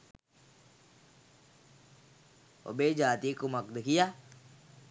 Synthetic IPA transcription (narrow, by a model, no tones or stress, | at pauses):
o̰bed͡ʒaːt̪ikoməkd̪kija